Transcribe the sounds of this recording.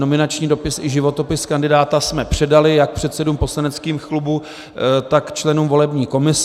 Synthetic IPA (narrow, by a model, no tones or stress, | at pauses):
no̞mɪnat͡ʃɲiːdo̞pɪsɪʒɪvo̞t̪o̞pɪskandɪdaːt̪asmɛpr̥ɛdalɪjak̚pr̥ɛt̪sɛdumpo̞slanɛt͡skiːmxlubu | t̪akt͡ʃlɛnumvo̞lɛbɲiːko̞mɪs